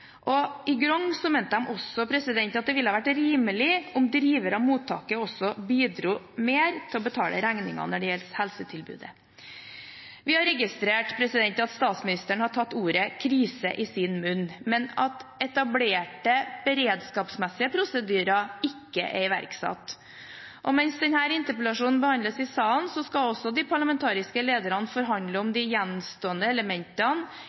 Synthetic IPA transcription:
ʔɔɪɡɾɔŋsɔmeːnt̪əhɑmʔɔsɔpʰɾɛsɪd̪ɛnt̪ɑt̪̚d̪ɛʋɪlːəɑːʋæʈɾiːməlɪɔmd̪ɾiːʋəɾɑmuːt̪ʰːɑ̰ːkəɔsɔbiːd̪ɾuː | meːɾt̪ʰɪlɔbət̪ʰɑːlʔə̰ɾæŋnɪŋɑ̰nɔɖɛjɛlshɛlsət̪ʰɪlbʉ̰ːd̪ə | ʋɪhɑɾɛɡɪst̪ɾeːʈpʰɾɛsɪd̪ɛnt̪ɑt̪st̪ɑːt̪smɪnɪst̪əɳəhɑʈʰɑt̪ːuːɾəkʰɾiːsə̰ʔɪsɪnmʉnːmɛnɑt̪ɛt̪ɑbleːʈəb̥əɾeːd̪skɑːpsmɛsːɪəpʰɾʊsəd̪yːɾɑɪkːəʔɛɾɪʋæ̰ɾksɑ̰t̪ː | ʔɔmɛnsd̪ɛnhæːɾɪnt̪əɾpɛlɑʂuːnn̩bəhɑnd̪ləsɪsɑːnsɔskɑɔsːɔd̪ɪpʰɑɭɑmɛnt̪ʰɑːɾɪskəleːd̪əɾɑnfɔɾɦɑnd̪ləɔmd̪ɪjɛnmst̪oːənd̪əɛləmɛnt̪ɑn

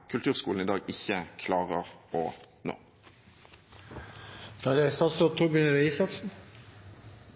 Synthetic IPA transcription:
kʰʉlt̪ʰʉːʁskuːln̩ɪːd̪ɑːɡɪçəkʰlɑːʁəʁɔ̰ | no̰ː | fɾɑd̪ɪst̪ɑsɔt̪ʰubʉnəɾɪsɑsn̩

